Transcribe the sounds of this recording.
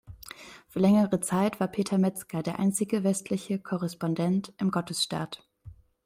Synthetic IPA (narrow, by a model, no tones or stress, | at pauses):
fyːɐlɛŋəʁət͡saɪtv̥aːɐpʰeːtʰɐmɛt͡skadeːɐʔa̰ɪnt͡sɪɡəvɛstʰlɪçəkʰɔʁɛspɔndɛntʔɪmɡɔtəsʃta̰ːt